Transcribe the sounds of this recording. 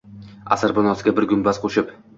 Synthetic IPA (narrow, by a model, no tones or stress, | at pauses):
a̰saɾbonɒsɪɡʲabɪɾɡʊmbaz̥qʰoʃɪp